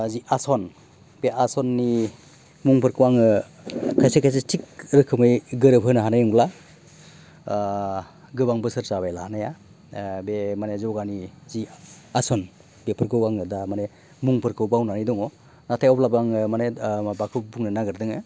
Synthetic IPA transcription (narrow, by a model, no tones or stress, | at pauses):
ziʔasɔn | b̥eʔasɔnːi | muŋpʰɯɾkʰɯwaŋɯ | kʰajsekʰajs̬etʰik̚ɾɯkʰːɯmɯjɡɯɾɯpʰɯnaɦanajɯŋbla | ɡɯbaŋbɯsɯɾsaβajlahanaja | bemanezɔwɡanizi | asɔn | bepʰɯɾkʰɯwaŋɯdamane | muŋpʰɯɾkʰɯwbawnanidɔŋɔ | natʰajɔwplabaŋɯmanebakʰɯbuŋnɯnaɡɯɾdɯŋɯ